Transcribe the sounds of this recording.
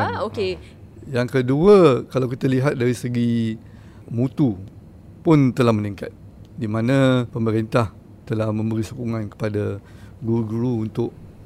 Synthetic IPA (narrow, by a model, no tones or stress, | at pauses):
aoke | jaŋkəduəkalawkit̪aliɦat̪̚daɾisəɡi | mut̪u | pʊnt̪əlahməniŋka̰t̪̚ | dimãnãpəməɾint̪ah | t̪əlahmə̃mbəɾisukuŋankə̥padaɡuuɡuɾuːnt̪ʊʔ